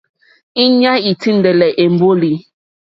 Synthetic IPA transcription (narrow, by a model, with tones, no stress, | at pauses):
i˦ɲa˦i˨tʰi˦n̩˦de˨le˨ʔe˨m̩˨bo˦li˨